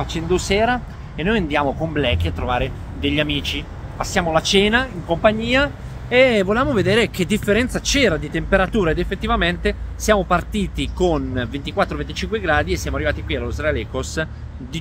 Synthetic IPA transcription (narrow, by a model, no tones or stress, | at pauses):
fat͡ʃɛnd̪osɛːɾa | enːoːjand̪jaːmokomblɛkːiat̪ːɾovaːɾe | d̪eʎːiamiːt͡ʃi | pasːjaːmolat͡ʃɛːnaiŋkompaɲːiːa | evoljaːmoved̪eːɾek̟ed̪ːifːeɾɛnt̪sat͡ʃɛːɾad̪it̪empeɾat̪uːɾaed̪efːet̪ːivament̪esjaːmopart̪iːt̪ikonvent̪ikwat̪ːɾovent̪i̥t͡ʃiŋkweɡɾaːd̪iesːjamoarːivaːt̪ikwialosɾalɛːkos | d̪i